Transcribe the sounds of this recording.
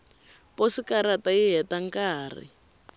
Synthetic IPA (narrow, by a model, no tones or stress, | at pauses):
posikaɾataiɦɛtaŋkaːrḭ